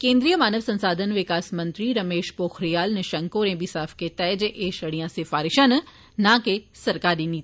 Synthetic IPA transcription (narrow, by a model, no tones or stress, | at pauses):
kẽːnd̪ɾijəmaːnəʋsɐ̃nsaːd̪ʱənʋɪkaːsmɐ̃nt̪ɾiɾɐmeːʃpoːxʰɾijaːlnɪʃɐŋkoːɾẽːbʱisaːfʰket̪ɛːd͡ʒʔeːʃɐɽijãsɪfaːɾɪʃən | nãːkesɐɾkaːɾiniːt̪